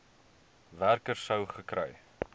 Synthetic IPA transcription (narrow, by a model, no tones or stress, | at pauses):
værkərsəwχəkɾɛ̰j